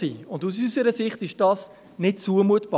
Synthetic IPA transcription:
ḭʊndusysəɾəsɪχtɪʃd̥ɑːs | nɪt̚t͡suəmuətb̥ɑ

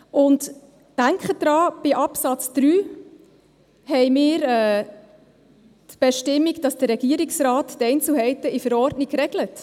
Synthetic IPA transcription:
ʊnt | d̥æŋkχəd̥ɾɑːb̥ɪʔɑpsɑt͡sd̪̥ɾyː | hɛɪmɪːɾɛː | tb̥ɛʃtɪmːiɡd̥ɑsd̥əɾɛɡ̥iəɾiksrɑːtːɛɪnt͡sl̩ɦɛɪtəifəɾɔrdniɡɾɛɡlət

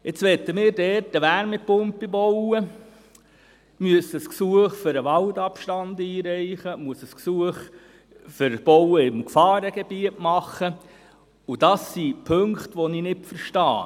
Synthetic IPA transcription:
ɪt͡sʋɛt̪ːəmɪːɾdɛɾtəʋæɾmɪpʊmpːibɔwə | myəsəsksuəχfʏɾəʋɑldɑpʃtɑndiːɾɛɪχəmuəsəsksuəχ | fʏɾb̥ɔwəɪmkfɑːɾəɡ̥eb̥iətmɑχːə | ud̥ɑsːipʰɵŋkχtʋɔninɪtfəɾʃtɑː

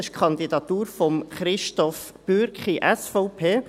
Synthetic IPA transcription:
ɪʃkʰɑnd̪idɑt̪uːɾfɔmχɾɪʃtɔf | b̥øɾkχiʔɛsfɔʊpʰeː

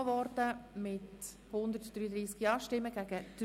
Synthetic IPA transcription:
vɔɾdəmɪt | hʊnd̪əɾtd̥ɾyːəd̪ɾiːskiɑːʃtɪmːəɡ̥æɡəd̥

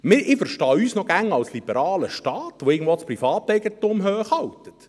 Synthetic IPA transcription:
mɪʔɪfəɾʃtɑːyːsnɔɡ̥æŋɑwslibəɾɑːləʃtɑːt̪ʋoɪːɡn̩dvʋospɾifɑːtɛjɡətʊmɦøːχhɑwt̪ət

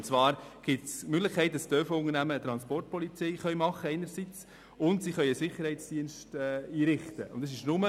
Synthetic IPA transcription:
nt͡svɑːɾɡ̥ɪtsmøɡlɪχkʰɛɪt̚d̥ɑsd̥øːfəʊŋəɾnæməːt̪ɾɑnspɔrt̚pɔlit͡sɛɪχœʏmɑχəɛɪnəɾsit͡s | ʊntsiχœʏəsɪχəɾhɛɪt͡sd̥iənʃtɛiːɾɪχt̪əʊ̰ntːɑsɪʃnʊmə

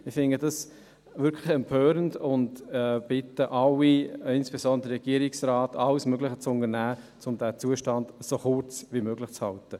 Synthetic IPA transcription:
ɪfɪnədɑs | vʏɾkʰlɪxɛmpʰøːɾəndʊndɛb̥ɪtːəʔɑwiɪnsb̥esɔndəɾəʁɛɡ̥iəɾɪksraːtɑwsmøɡlɪχət͡sʊnənæːt͡sʊmd̥æt͡suːəʃtɑndsoχʊrt͡svimøːɡlɪχt͡shɑltə

